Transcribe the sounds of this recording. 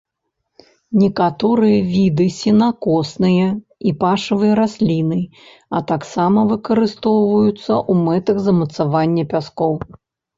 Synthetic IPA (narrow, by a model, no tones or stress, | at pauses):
nʲɛkat̪ɔɾɨjɐvʲid̪ɨsʲinakɔsnɨjɐ | ipaʂɐvɨjɐɾasʲlʲinɨ | ɐt̪aksamɐvɨkɐɾɨst̪ɔwvɐjut̪sːɐʔumɛt̪ɐɣzɐmɐt̪savanʲːɐpʲaskɔw